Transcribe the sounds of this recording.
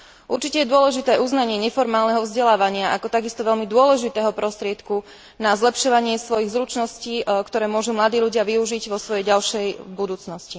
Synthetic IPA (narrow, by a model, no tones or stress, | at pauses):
ʔuɾt͡ʃicɛjɛd̪ʊɔlɛʒit̪ɛːʔuznaɲɪɛɲɛfɔɾmaːlnɛɦɔvzɟɛlaːʋaɲɪaʔakɔt̪aɡist̪ɔʋɛʎmid̪ʊɔlɛʒit̪ɛːɦɔpɾɔst̪ɾɪɛt̪ku | nazlɛpʃɔʋaɲɪɛsʋɔjiɣzɾut͡ʃnɔsciːkt̪ɔɾɛːmʊɔʒumlad̪iːʎuɟɪaʋiuʒiɟʋɔsʋɔjɛjɟalʃɛjbud̪uːt͡snɔsci